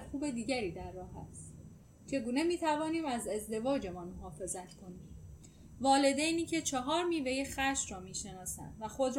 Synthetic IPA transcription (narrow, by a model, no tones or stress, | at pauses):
xuːbe̞d̪iːɟæɾiːd̪æɾːɒːɦæ̰st̪ | t͡ʃʰe̞ɡuːne̞miːt̪ʰævɒːniːmæze̞zd̪e̞vɒːd͡ʒe̞mɒnmoɦɒːfe̞zæt̪kʰo̞ni | vɒːle̞d̪ejniːcʰe̞t͡ʃʰeɦɒːɾmiːve̞jexæʃɾɒːmiːʃe̞nɒːsæ̰nd̪væxo̞d̪ɾ